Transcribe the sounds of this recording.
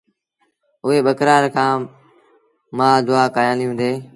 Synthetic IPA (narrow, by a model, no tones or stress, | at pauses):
ʊɦeːɓəkɾaːɾkʰãː | mãːd̪ʊaːkaːjãːlijũːd̪eː